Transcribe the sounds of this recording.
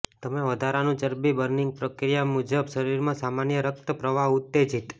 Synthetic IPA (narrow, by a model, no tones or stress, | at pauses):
t̪əmeʋəd̪ʱaɾanũt͡ʃəɾbibəɾniŋɡ̚pɾəkɾijamud͡ʒəbʃəɾiɾmãsamanjəɾək̚t̪əpɾəʋaɦut̪ːed͡ʒit̪